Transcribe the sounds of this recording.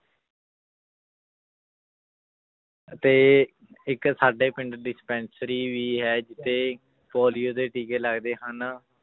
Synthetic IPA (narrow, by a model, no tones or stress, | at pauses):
ət̪eː | ɪksaːɖeːpɪɳɖɖɪspɛ̃ːnsɾiːʋiːɦɛːd͡ʒɪt̪ʰːeː | pɔːlijoːd̪eːʈiːkeːləɡd̪eːɦən